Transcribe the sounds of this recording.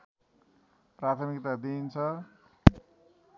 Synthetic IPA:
prat̪ʰʌmikt̪ad̪int͡sʰʌ

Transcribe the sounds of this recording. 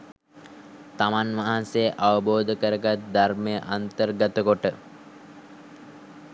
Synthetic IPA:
t̪amanʋaɦasejʔaʋəboːd̪əkəɾəɡat̪̚d̪armejəʔant̪ərɡət̪əkoʈə

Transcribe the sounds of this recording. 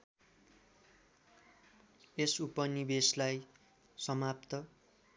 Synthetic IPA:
esupʌnibeslaj | sʌmap̚t̪ʌ

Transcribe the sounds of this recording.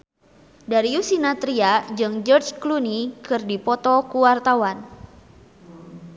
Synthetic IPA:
daɾiusinat̪ɾiad͡ʒɨŋd͡ʒɔrt͡ʃklunikɨrdipɔt̪ɔkuwart̪awan

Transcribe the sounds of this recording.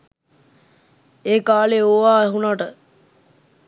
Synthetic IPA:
eːkaːleoʋaːɛɦunaʈə

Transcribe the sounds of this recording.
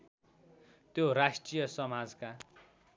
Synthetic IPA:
t̪joɾasʈrijʌsʌmad͡zka

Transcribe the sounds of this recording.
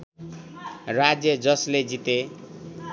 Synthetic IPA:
rad͡zjʌd͡zʌsled͡zit̪e

